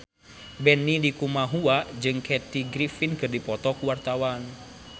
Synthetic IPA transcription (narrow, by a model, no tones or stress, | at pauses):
bɛnːilikumaɦuad͡ʒɨŋkʰɛt̪iɡɾifinkɨrdipɔt̪ɔkuwart̪awan